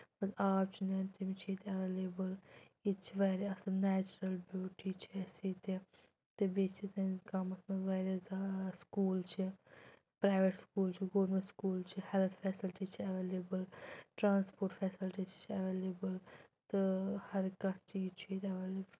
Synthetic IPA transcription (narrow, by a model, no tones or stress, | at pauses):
bɐsaːp̚t͡ʃʰunɐnt̪imt͡ʃʰit̪ɐʋeːleːbəl | it͡ʃʰiʋeːɾiɐsɐnɛːt͡ʃɾɐlbjuːʈit͡ʃʰiɐsit̪ʰi | t̪ɨbeːt͡ʃʰizɐnkamɐt̪ʰmẽʋeːɾjɐzaskuːlt͡ʃʰi | pɾaːɪʋeʈskuːlt͡ʃʰiɡoːɾmẽʈskuːlt͡ʃʰihɛlt̪ʰfɛːsɪlʈit͡ʃʰiɐʋeːlebəlʈɾaːnspoːɾʈfʰɛːsɪlʈit͡ʃʰt͡ʃʰiɐʋeːleːbəlt̪ɨhɐɾkɐkt͡ʃiːzt͡ʃʰuit̪ɐʋeːleːb